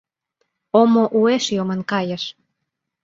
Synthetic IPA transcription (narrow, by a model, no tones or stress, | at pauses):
omoʔueʃjomə̆nkɑjə̆ʃ